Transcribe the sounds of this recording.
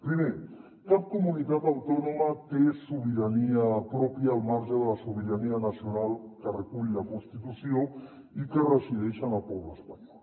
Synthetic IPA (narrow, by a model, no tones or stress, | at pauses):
pɾime | kap̚kumunit̪at̪awt̪ɔnumat̪esuβiɾaniəpɾɔpjaːlˠmaɾʒəðələsuβiɾaniənəsiunalˠkərəkuʎləkunst̪it̪usio | ikərəziðɛʃənəlpɔβləspaɲɔl